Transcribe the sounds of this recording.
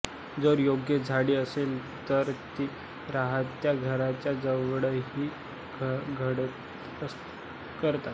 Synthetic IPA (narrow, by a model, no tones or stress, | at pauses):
d͡zəɾjoɡjəd͡zʱaɽiːəsel | t̪əɾt̪i | ɾaɦət̪ːjaɡʱəɾat͡ɕjad͡zəʋɽəɦiː | ɡʱəɽət̪ | əs | kəɾt̪at̪